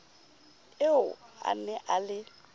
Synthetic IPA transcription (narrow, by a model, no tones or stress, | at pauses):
ɪʊa̰nɛʔalɪ